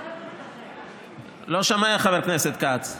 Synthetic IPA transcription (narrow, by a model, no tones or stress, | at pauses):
loʃamajaχaveʁkneset̪̚kat͡s